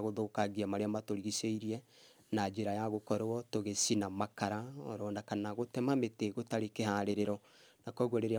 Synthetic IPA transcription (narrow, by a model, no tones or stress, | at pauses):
ɣoðokaɣiamaɾeamatoɾiɣiseiɾiɛ | nad͡ʒeɾajaɣokɔɾɔtoɣesinamakaɾaɔ̰ɾɔnakanaɣotɛmameteɣotaɾekehaɾeɾeɾɔ | nakɔɣwɔɾeɾea